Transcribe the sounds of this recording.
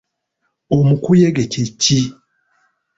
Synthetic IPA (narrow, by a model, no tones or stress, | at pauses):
omukujeɡececi